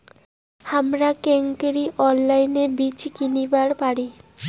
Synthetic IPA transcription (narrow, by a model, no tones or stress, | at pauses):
hamɾakeŋkeɾiʔɔnlajnebit͡ɕkinibaɽpaɽi